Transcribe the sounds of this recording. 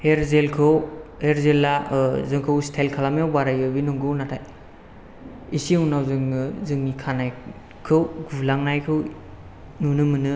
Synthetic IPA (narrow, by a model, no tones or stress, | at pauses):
heɾzelkʰɯwheɾzelːazɯŋkʰɯwstʰajlkʰalamjawbaɾajɯbinuŋɡɯwnatʰaj | isiunawzɯŋɯzɯŋnikʰanaj | kʰɯwɡublaŋnajkʰɯw | nunɯmɯnɯ